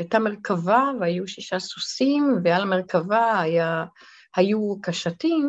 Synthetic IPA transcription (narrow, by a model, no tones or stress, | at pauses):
ajtameʁkʰavaveajuʃiʃasusimvealameʁkavaaja | hajukaʃatim